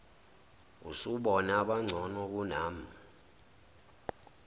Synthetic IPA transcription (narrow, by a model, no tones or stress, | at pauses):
ṵsuɓɔnaɓaŋ͡ǀʱɔnɔk̬unaːm̩